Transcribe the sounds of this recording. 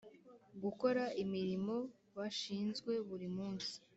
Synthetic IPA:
ɡuko̞ɾaimiɾimo̞ | βaʃiːnzɡwe̞βuɾimuːnsi̥

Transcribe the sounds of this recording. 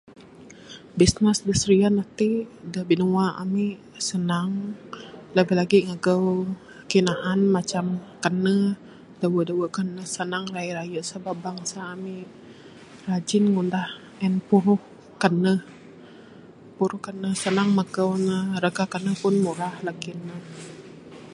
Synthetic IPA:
bisnəsdəsəɾianat̪idəhbinuwaʔa̰miʔ | sənaŋ | ləɡilaɡiŋaɡəw | kinaʔanmat͡ʃamkanə | dawəʔdawəʔkanəhsənaŋraiɾajəʔsəbabaŋsaːmiʔ | rad͡ʒɪnŋundah | ɛnpuɾʊh | kanəh | puɾʊhkanəhsənaŋmaɡəwnəɾəɡakanəhpʊnmuɾahlakinəh

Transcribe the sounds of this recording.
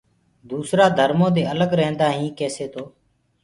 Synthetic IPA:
d̪uːsɾaːd̪ʱəɾmõːd̪eːələɡɾəɦə̃nd̪aːɦĩːkeːseːt̪ʰoː

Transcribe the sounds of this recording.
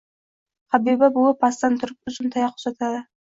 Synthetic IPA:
qʰɑbibabʊlˠəpʰɑst̪ɑnt̪ʰʊɾəp̚ʊzɪnt̪ʰɑjɑqʰʊ̥pʒ̥ɑt̪ɑd̪ə

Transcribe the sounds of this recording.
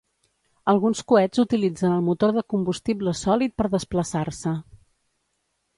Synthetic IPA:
əlˠɣunskuɛzut̪ilid͡zənəlˠmut̪oɾðəkumbust̪ibləsɔlit̪̚pəɾðəspləsaɾsə

